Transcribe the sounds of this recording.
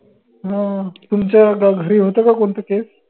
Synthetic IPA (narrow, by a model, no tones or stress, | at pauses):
ɦãt̪umt͡ɕjaɡaɡʱəɾiːɦot̪akakoɳt̪əkes